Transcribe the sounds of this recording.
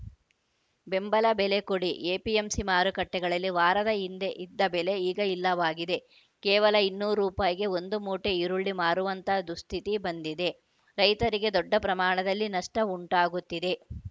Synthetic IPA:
be̞mbɐlɐbele̞koɽiʔeːpiemsimaːɾukɐʈːɛɡɐɭɐlːiʋaːɾɐd̪ɐɦind̪e̞ʔid̪ːɐbele̞iːɡɐilːɐʋaːɡid̪e̞ | kɛːʋɐlɐinːuːɾuːpaːjɐɡe̞ond̪umuːʈe̞iɾuɭːimaːɾuʋɐnt̪ɐd̪ust̪ʰit̪ibɐnd̪id̪e̞ | ɾɐjt̪ɐɾiɡe̞d̪ɔɖːɐpɾɐmaːɳɐd̪ɐlːinɐʂʈɐuɳʈaːɡut̪ːid̪e̞

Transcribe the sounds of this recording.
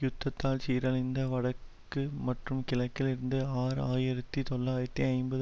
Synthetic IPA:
jʊt̪ːɐt̪ːaːlt͡ʃiːɾɐlɪnd̪ɐʋɐɽɐkː | ɯmɐʈrɯmkɪlɐkːɪlɪɾɯnd̪ɯaːɾaːjɪɾɐt̪ːit̪ɔlːaːjɪɾɐt̪ːiɐɪmbɐð

